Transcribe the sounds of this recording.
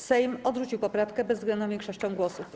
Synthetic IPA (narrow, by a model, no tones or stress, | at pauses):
sɛjmɔd̪ʐut͡ɕiwpɔpɾafkɛbɛzɡlɛnɔ̃vʲjɛŋkʂɔɕt͡ɕɔ̃w̃ɡwɔsuf